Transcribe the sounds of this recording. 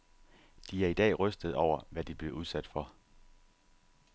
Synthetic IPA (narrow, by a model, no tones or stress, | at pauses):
d̥iæɐid̥ɛ̰ːʁœsd̥əð̞̩ˠɒʊ̰ɐʋæd̥ib̥le̝uð̞ˠsæd̥fɒ̽